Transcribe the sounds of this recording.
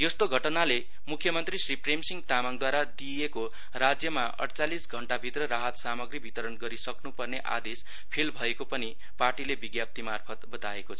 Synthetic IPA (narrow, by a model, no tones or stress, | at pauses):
jʌst̪oɡʱʌʈnale | mukʰːjʌmʌnt̪risripremsiŋɡt̪amaŋd̪waɾad̪ieko | rad͡zjʌmaʌ̰ɽt͡salisɡʱʌɳʈabʱit̪rʌɾaɦʌt̪samʌɡribʱit̪ʌɾʌnɡʌɾisʌknupʌrneʔa̰d̪es | pʰelbʱʌekopʌni | parʈilebiɡjap̚t̪imarpʰʌt̪bʌd̪aekot͡sʰʌ